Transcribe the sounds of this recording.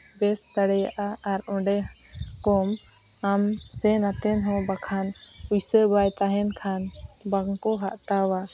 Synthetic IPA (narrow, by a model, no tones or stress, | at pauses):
bɛsd̪aɽɛjaʔaaɾɔ̃ɖɛ | kɔm | am | sɛnat̪ɛnɦɔ̃bakʰanujsəbajt̪aɦɛnkʰan | baŋkɔɦaʔt̪awa